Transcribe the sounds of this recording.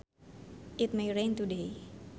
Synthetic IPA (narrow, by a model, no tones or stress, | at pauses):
ʔit̪̚mejɾẽnt̪ude